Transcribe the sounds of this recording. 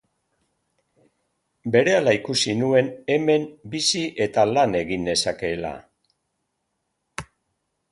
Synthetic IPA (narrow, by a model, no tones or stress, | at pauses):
be̞ɾe̞alaikusinue̞ne̞me̞mbisiʔe̞t̪alane̞ɣind̪e̞sake̞la̰